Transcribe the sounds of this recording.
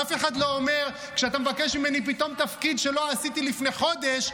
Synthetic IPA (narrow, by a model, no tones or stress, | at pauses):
afe̞χad̪lo̞ːme̞ʁ | kʃeat̪amevake̞ʃmimenipit̪o̞mt̪afkid̪ʃe̞lo̞asit̪ilifneχo̞d̪e̞ʃ